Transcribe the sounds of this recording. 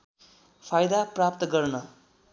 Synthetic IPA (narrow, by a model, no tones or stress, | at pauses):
pʰajd̪aprapt̪ʌɡʌrnʌ